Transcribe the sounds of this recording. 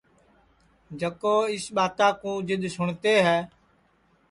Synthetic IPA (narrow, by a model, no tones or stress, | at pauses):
d͡ʒəkoːɪsɓaːt̪ãːkũːd͡ʒɪɗ̪ʱsʊɳt̪eːɦɛː